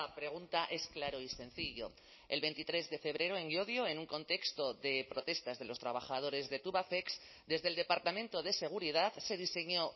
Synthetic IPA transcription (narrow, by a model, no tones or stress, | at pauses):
apɾe̞ɣ̞unt̪aʔe̞sklaɾo̞isẽ̞n̟θiʝo̞̰ | e̞lβe̞nt̪it̪ɾe̞zðe̞fe̞β̞ɾe̞ɾoeŋio̞ðjo̞e̞nuŋko̞nt̪e̞kst̪o̞ðe̞pɾo̞t̪e̞st̪azðe̞lo̞st̪ɾaβaxað̞o̞ɾe̞zðe̞t̪uβaθe̞ks | d̪e̞zðeld̪e̞paɾt̪amẽ̞nt̪o̞ðe̞se̞ɣ̞uɾiðaðse̞ðise̞ɲo̞